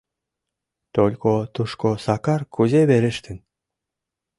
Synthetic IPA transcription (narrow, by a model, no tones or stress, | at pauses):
t̪olʲkot̪uʃkosɑkɑrkʰuzeβeɾɘ̆ʃt̪ɘ̆n